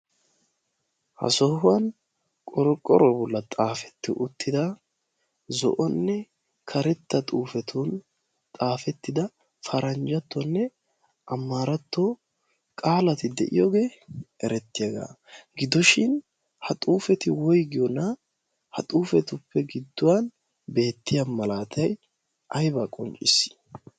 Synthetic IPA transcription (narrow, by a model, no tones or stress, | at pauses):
hɐ̰sɔhʊwɐn | kʼɔɾɔkʼːɔ̰ɾɔbɔlːɐt̪ʼaːfɛ̥t̪ːɪʔʊt̪ːɪd̪ɐ | zɔ̰ʔɔnːɛ | kʰɐɾɛt̪ːɐt̪ʼuːfɛt̪ʰun | t̪ʼaːfɛt̪ːɪd̪ɐ | fɐɾɐnd͡ʒɐt̪ːɔnːɛ | ʔɐmːaːɾɐt̪ːo | kʼaːlɐt̪ɪd̪ɛʔɪjoːɡe̞ːɛɾɛt̪ːɪjɐɡa̰ː | ɡɪd̪ɔʃɪn | hɐt̪ʼuːfɛt̪ɪwɔjɡɪjɔnɐ | hɐt̪ʼuːfɛt̪ʊpːɛɡɪd̪ːʊwan | be̞ːt̪ːɪjamɐlaːt̪ʰɐj | ʔɐjbaːkʼɔnt͡ʃʼɪsːɪ̥